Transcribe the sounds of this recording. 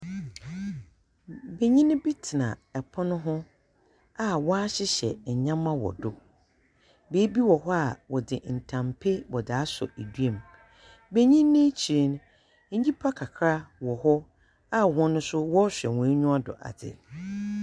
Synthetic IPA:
be˨ɲĩ˦nʊ̃˦bi˦tʰɪ˨nã̰˨ɛ˨pʰɔ˦nʊ̃˦ɦʊ̃˦ | a˨wɔ˦a˦ɕɪ˦ɕɛ̰˨ɲã˦mːã˦wɔ̰˨dʊ˦ | be˨˦bi˦wɔ˨ɦɔ˦a˨wɔ˨dɪ˨n̩˨tʰã˨mpʰe˦wɔ˨da˦sɔ̰˨ʔe˨dɥẽ˨m | be˦ɲĩ˦nː˦ɪ̃˦t͡ɕʰi˨ɾe˨ñ˦ | ɲ̩˦d͡ʑi˦pʰa˦kʰa˨kʰɾa˦wɔ˨hɔ˦ | a˦wɔ̃˦nʊ̃˦sʊ˦wɔ˦ɕᶣɛ̰˨wɔ̃˨e˦ɲũ˦a˦dɔ̰˨ʔa̰˨dɪ̰˨

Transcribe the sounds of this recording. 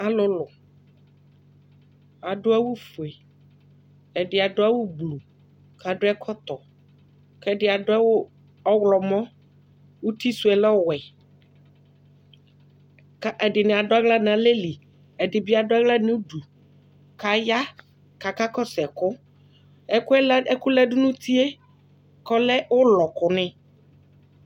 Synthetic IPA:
a˨lʊ˦lʊ˨ | a˨ɖʊ˦a˦wu˦fʊ˨e˨ | ɛ˨dɪ˨a˨dʊ˦a˦wʊ˦blu˨ | ka˨ɖʊ˦ɛ˦kʰɔ˦t̪ɔ˨ | kɛ˦dɪ˨a˨dʊ˦ɛ˦wʊ˦ | ɔ˦wlɔ˨mɔ̃˦ | wu˦t̪i˦su˨˦ɛ˨lɔ˦wɛ˨ | ka˨ʔɛ˨dɪ˨nɪ̃˨a˨dʊ˦a˦ɡla˦n˨ã˨le˦li˨ | ɛ˨dɪ˨bi˦a˨dʊ˦a˦ɡla˦nʊ̃˦du˨ | ka˨ja˦ | ka˨ka˦kɔ˦sɛ˨kʊ˦ | ɛ˦kʊ˦ɛ˦lɛ˦kʊ˦lɛ˦dʊ˦nũ˦t̪ʰi˦e˦ | kɔ˦lɛ˦wʊ˦lɔ˨kʊ˨nɪ̃˦

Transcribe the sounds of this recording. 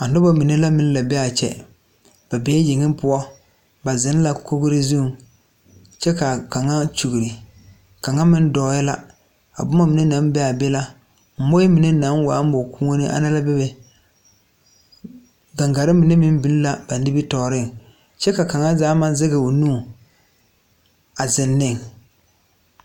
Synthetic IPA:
a˨nʊ˦ba˦mi˨ne˦la˦mɪ̃˦n˦la˨bɛ˦a˨t͡ʃɛ̰˨ | b̥a˨beː˦je˨ŋɪ˦mpʊ˦ɔ˦ | ba˨zɪ˨˦n˦la˦˨kʰo˦ɡʊ˦ɾɪ˦zu˦˨ŋ | t͡ʃɛ˦ka˨ka˨ŋa˦t͡ʃu˨ɡi˨ɾɪ˨ | ka˨ŋa˦mɪ˦n˦dɔː˨˦jɛ˦la˦ | a̰˨bʊ˦ma˦mi˨ne˦nã˨˦n˦bɛ˦a˨be˦la˦ | m̩˨mo˦i˦mɪ˨nɛ˦na˨˦nwa˨˦m˦bo˨ku˦ŋo˦nɪ˦ʔa̰˨na˦la˦bɛ˦bɛ˨ | ɡa˨ŋɡa˨ɾɪ˦mɪ˨ne˦mɪ˦m˦bi˨n˦la˨ba˨n˦dɪ˦bi˦tɔ˨ɾɪ˦ŋ | t͡ʃɛ˦ka˨ka˨ŋa˦zaː˦ma˨˦zɪ˦ɣɪ˨o˨nu˦˨ | a˨zɪ˨nːɪ˦˨ŋ

